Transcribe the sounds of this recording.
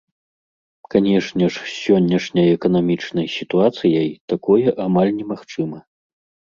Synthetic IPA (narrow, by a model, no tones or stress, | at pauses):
kanʲɛʂnʲɛʂsʲɔnʲːɐʂnʲɐjɛkɐn̪amʲit͡ʂnɐjsʲit̪uat̪sɨjɐjt̪akɔjɛʔamalʲnʲɛmaxt͡ʂɨmɐ